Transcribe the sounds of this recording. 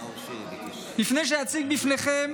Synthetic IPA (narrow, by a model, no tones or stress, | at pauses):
bifneʃ̬ɛat͡siɡ̚bifneχɛm